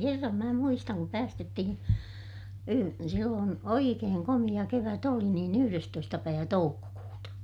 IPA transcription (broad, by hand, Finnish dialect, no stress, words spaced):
kerːɑm mæː muistɑŋ kup pæːstetːihin silːoːn oikeːŋ komij̆ɑ keʋæt oli niːn yhyrestoistɑ pæiʋæ toukːokuːtɑ